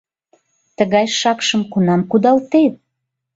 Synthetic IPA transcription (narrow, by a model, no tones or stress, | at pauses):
t̪əɣɑjʃɑkʃəmkunɑmkud̪ɑlt̪et̪̚